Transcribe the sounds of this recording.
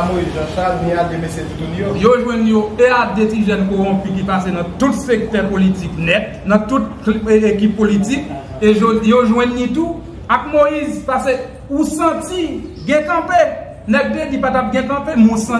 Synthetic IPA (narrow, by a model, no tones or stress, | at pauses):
moizʒɑ̃ʃalvɛ̃ad̪emeset̪ut̪unijojoʒwɛ̃njoead̪etiʒɛnkoɣɔ̃pik̬ipasenɐ̃t̪utsek̚t̪ɛpolitiknɛt̪̚nɐ̃tut̚kekipːolitik | eʒojoʒwɛ̃nːĩtu | ak̚moizpase | usãtiɡɛ̃t̪ɐ̃pe | nɛɡ̚delipatap̚ɡɛ̃t̪ɐ̃pemũs